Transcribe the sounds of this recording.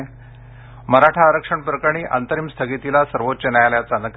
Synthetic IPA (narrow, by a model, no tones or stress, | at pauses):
məɾaʈʰaːɾəkʂəɳpɾəkaɽ̃iʔa̰nt̪əɾiːmst̪ʰəɡit̪ilasəɾʋot̪ːt͡ɕənajaljat͡sanək